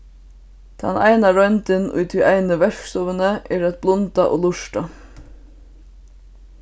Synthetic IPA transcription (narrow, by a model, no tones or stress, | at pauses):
t̪ʰa̰na̰ɪnaɾœʏnt̪ɪnʊ̰jt̪ʰiʔaɪnəʋɛɾksɔʋənəʔɛːɾæt̪̚blʊnt̪aʔo̰ːlʊʂʈa